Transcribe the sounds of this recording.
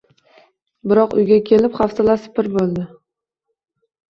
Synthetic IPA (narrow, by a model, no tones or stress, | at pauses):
bɪɾɒqʊ̰jɡʲakʲʰe̞lɪpχaft̪ʰalasɪ̥pɪɾbolˠd̪ɪ